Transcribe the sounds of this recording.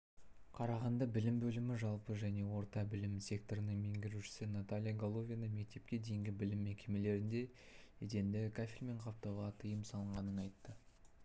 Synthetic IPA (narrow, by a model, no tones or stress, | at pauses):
qʰɑɾɑʁɑnd̪ɑbɪlɪmbɵlɪmɪʒɑlˠpəʒæne̞wo̞ɾt̪ɑbɪlɪmsʲe̞k̚t̪oɾənəɴmeŋɡʲɪɾuʃɪ̥sɪnat̪alʲijaɡolˠo̞vʲijanəme̞k̚t̪e̞p̚kʲe̞d̪e̞jɪŋɡʲɪbɪlɪmːekʲe̞me̞le̞ɾɪnd̪e̞ | ed̪e̞nd̪ɪkʰafʲilme̞ɴqʰɑp̚t̪ɑwʁɑt̪ʰəjəmsɑlˠəɴʁɑnəɴɑjt̪ːə